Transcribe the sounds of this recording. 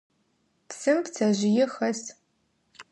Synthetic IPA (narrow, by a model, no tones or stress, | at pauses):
psɨmpt͡sʰɐʑɪjɪxɐs